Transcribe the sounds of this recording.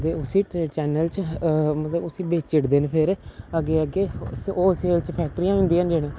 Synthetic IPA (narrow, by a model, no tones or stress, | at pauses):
d̪eːʊsĩːʈɾeːt͡ʃɛːnəlt͡ʃmət̪ləbʊsĩːbeːt͡ʃɪʈd̪eːnepʰɪɾəɡeːəɡeːoːlseːlt͡ʃpʰɛːk̚ʈəɾiːãːɦʊ̃nd̪iːɦənd͡ʒeːɽ̃ẽː